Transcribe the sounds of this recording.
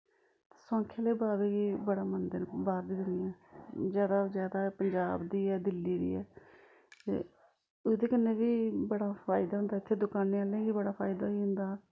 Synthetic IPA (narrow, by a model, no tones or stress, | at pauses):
t̪e̥sãːŋkʰeːleːbaːɾeːɡiːbəɽaːmənd̪ənbaːɾd̪iːd̪ʊnɪjãːzjaːd̪aːzjaːd̪aːpəɲd͡ʒaːbd̪iːɛːd̪ɪlːiːd̪ḭːɛː | t̪ḛː | ʊd̪eːkənːeːbiːbəɽaːpʰaːɪd̪aːɦʊnd̪aːɪt̪ʰːeːd̪ʊkaːneːaːlẽːɡiːbəɽaːpʰaːɪd̪aːiːɦʊ̃nd̪aː